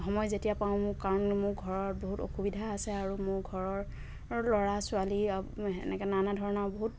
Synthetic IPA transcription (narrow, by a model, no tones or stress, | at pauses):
ɦɔmɔjzetijapaʊ̃mʊkaɹɔnmʊɹɡʱɔɹɔɹboɦuto̰xubidʱaːsɛaɹumʊɹɡʱɔɹɔɹ | lɔɹasualiaɛ̰nɛkɛnanadʱɔɹɔnawboɦut̚